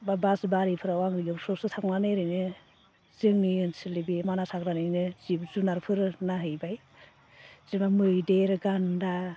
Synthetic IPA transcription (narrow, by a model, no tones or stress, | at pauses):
babasbaɾipʰɯɾawaŋɾiɡɯsʰɔsɯtʰaknanɯjɾɯjnɯ | z̥ɯŋnɯjnsilibimanasʰak̚ɾanɯjnɯzibzunaɾpʰɯɾɯnaɦɯjbaj | z̥imamɯjdeɾɯɡanda